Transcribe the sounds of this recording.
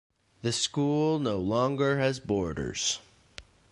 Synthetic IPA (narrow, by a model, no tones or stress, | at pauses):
ðɨskulˠnoʊlɔ̃ŋɡə˞ɨzbɔɹɾə̰˞z̥